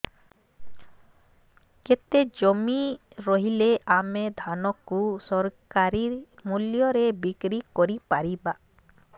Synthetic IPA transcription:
ket̪ed͡ʒɔmi | ɾɔɦileamed̪ʱanɔkːusɔɾkaɾimuljɔɾebikɾikɔɾipaɾiba

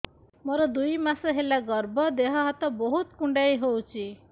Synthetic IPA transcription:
moɾɔd̪ujmasɔɦelaɡɔɾbɔd̪eɦɔɦat̪ɔboɦut̪kuɳɖajɦowt͡ʃʰi

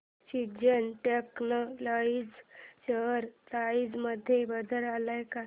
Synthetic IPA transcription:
ɕid͡ʑənʈeknoloid͡zt͡ɕəɾt̪aid͡zməd̪ʱːjebəd̪ʱəɾalajka

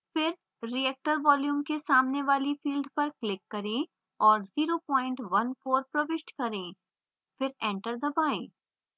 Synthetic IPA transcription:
fɪɾ | ɾiɛːk̚ʈəɾʋɔːljuːmkesaːmneʋaːlifiːlɖpɐɾklɪkːɐɾẽ | ɔːɾziːɾopɔːɪ̃ɳʈʋɐnfoːɾpɾɐʋɪʃʈkɐɾẽː | fɪɾɛ̃ːɳʈəɾd̪ɐbaːẽː

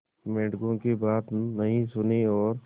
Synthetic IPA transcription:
mẽːʈɡõkibaːt̪nɐɦĩsʊniɔːɾ

